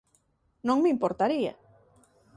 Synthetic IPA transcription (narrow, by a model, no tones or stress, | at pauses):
nõŋmeimpoɾt̪aɾia̰